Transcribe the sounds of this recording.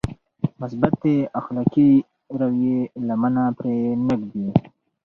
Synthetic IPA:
mʊs̬bat̪̚d̪eaxlaki | ɾawjelamanapɾenəkd̪i

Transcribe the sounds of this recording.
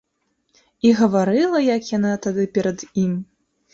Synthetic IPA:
iɣɐvaɾɨlˠɐjakjanat̪ad̪ɨpʲɛɾɐd̪im

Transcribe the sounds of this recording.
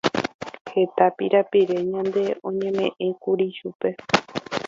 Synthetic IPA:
he̞t̪apiɾapiɾe̞ɲãnd̪e̞ʔõ̞ɲẽ̞mẽ̞̰ʔẽkuɾiʃupe̞

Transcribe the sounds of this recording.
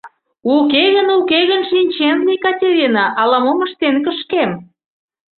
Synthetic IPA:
ukeɣənukeɣənʃinʲt͡ɕenlijkɑtʲeɾʲinɑʔɑlɑmomə̆ʃt̪enkəʃkem

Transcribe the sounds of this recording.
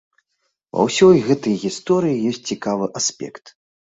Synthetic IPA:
vɐ̰wsʲɔjɣɛt̪ɐjɣʲist̪ɔɾɨjijɔsʲt͡s̚ʲt͡sʲikavɨʔasʲpʲɛ̰kt̪

